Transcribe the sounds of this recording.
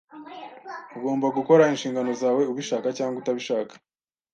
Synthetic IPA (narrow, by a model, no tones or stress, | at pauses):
uɡo̞ːmbaɡuko̞ɾainʃiːŋɡano̞zaːwe̞uβiʃaːkacaːŋɡutaβiʃaːkḁ